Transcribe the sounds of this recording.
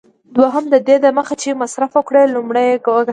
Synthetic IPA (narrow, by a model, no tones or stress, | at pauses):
d̪waɦəmd̪əd̪ed̪əməxat͡ʃemasɾafəkɽelumɽajɡwaɡa